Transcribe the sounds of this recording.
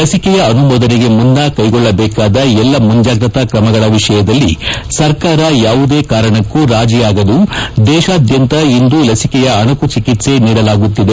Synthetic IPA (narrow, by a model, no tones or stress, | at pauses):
lɐsikɛjɐɐnubɔːd̪ɐneɡe̞mund̪aːkɐjɡɔɭːɐbɛːkaːd̪ɐɛlːɐmuɲd͡ʒaːɡɾɐt̪ɐkɾɐmɐɡɐɭɐʋiʂɐjɐd̪ɐlːisɐɾkaːɾɐjaːʋud̪eːkaːɾɐɳɐkːuɾaːd͡ʒijaːɡɐd̪ud̪ɛːʃaːd̪ʱjɐnt̪ɐind̪ulɐsikɛjɐɐɳɐkut͡ʃikit̪se̞niːɽɐlaːɡut̪ːid̪e